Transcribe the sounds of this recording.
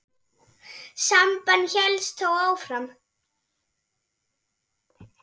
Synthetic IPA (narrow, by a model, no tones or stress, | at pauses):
sampanːçɛlst̪ʰowaːwfɾam